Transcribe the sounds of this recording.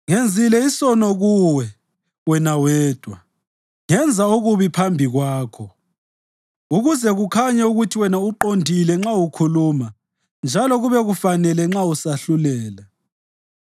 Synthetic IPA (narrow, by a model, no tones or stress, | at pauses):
ŋend͡zʱilɛisɔnɔɣuwɛ | wɛnawɛːd̥ʱwa | ŋɛnd͡zʱauɣuβipʰambʱiɣwaːkʰɔ | uɣuzɛɣukʰaɲauɣutʰiwɛnauǃondʱilɛŋ͡ǁaukʰuluma | nd͡ʒʱalɔɣuβɛɣufanɛlɛŋ͡ǁausaɬulɛːla